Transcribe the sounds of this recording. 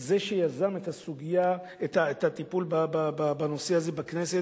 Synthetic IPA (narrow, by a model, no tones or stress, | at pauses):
zeʃe̞jazamet̪asuɡija | et̪aet̪at̪ipulbabababano̞seaze̞baknese̞